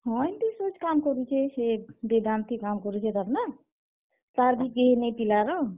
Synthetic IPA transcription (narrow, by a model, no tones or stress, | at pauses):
ɦɔ̃jnt̪isot͡ʃkamkɔɾut͡ʃʰesebed̪ant̪ikamkɔɾut͡ʃʰet̪aɾna | t̪aɾbʱikɡeɦenepilaɾɔ